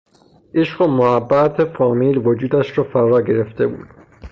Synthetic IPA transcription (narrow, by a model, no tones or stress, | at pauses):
ʔeʃɢomohæbːæt̪ʰefɒːmiːlvod͡ʒuːd̪æʃɾɒːfæɾɒːɟe̞ɾe̞ft̪e̞bṵːd̪̥